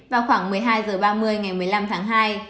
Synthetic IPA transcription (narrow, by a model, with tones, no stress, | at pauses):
vaː˨˩wxwaː˧˩ŋmɨ˨˩əjɦaː˧jzəː˨˩ɓaː˧mɨ˧əjŋa˨˩jmɨ˨˩əjla˧mt̪ʰaː˨˦ŋɦaː˧j